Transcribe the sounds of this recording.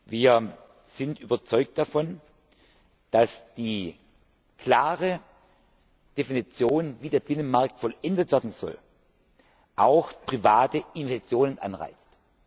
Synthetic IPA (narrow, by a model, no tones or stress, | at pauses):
viːɐ | z̥ɪntʔyːbɐt͡sɔʏk̚t̚d̥afɔn | d̥asd̥iː | kl̥aːʁə | d̥efinit͡sjoːnviːdeːɐbɪnənmaɐk̚tfɔlʔɛndətv̥ɛɐdn̩z̥ɔ̰l | ʔaʊxpʁ̥ivaːtəʔɪnt͡sjoːnənʔa̰nʁa̰ɪt͡st